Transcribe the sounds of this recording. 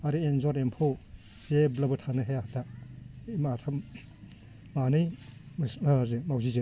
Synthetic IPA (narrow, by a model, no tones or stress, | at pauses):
aɾienzɔɾempʰow | zeblɐbɯtʰanɯɦeahtʰaimaːtʰam | manɯjmszemawzize